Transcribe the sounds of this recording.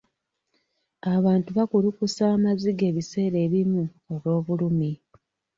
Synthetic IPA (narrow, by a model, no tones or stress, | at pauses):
aβaːntuβakulukusaːmaziɡe̞ːβise̞ːɾe̞ːβimu | oβo̞ːβulumi